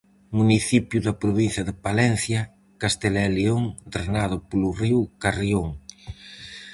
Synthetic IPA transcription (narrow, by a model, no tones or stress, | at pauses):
muniθipjuðɐpɾoβin̟θjɐðɪpalɛn̟θjɐ | kast̪elɛleoŋd̪ɾenaðʊpoluriwkarjoŋ